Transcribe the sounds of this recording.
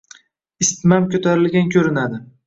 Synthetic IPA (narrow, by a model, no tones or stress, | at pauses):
ɪst̪mamkʲɵt̪ʰaɾɪlɡʲankʲʰɵɾɪnad̪ɪ